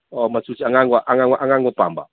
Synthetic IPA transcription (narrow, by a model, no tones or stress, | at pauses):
ɔmasut͡ʃiaŋaŋɡwaʔaŋaŋaʔaŋɡaŋɡɔpa̰ːmba̰